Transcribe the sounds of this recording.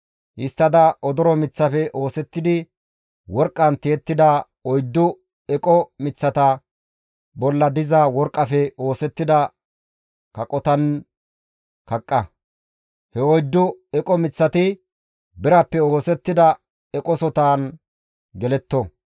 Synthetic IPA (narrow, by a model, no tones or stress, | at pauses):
ʔɪst̪ːɐd̪ɐʔɔd̪ɔɾɔmɪt͡sːɐfɛʔoːsɛt̪ːɪd̪ɪ | wɔɾkʼːɐnt̪eːt̪ːɪd̪ɐ | ɔjd̪ːʊ | ɛkʼɔmɪt͡sːɐt̪ɐ | bɔlːɐd̪ɪzɐwɔɾkʼːɐfɛoːsɛt̪ːɪd̪ɐ | kɐkʼɔt̪ɐn | kɐkʼːɐ | hɛɔjd̪ːʊɛkʼɔmɪt͡sːɐt̪ɪ | bɪɾɐpːɛo̞ːsɛt̪ːɪd̪ɐ | ɛkʼɔsɔt̪aːn | ɡɛlɛt̪ːɔ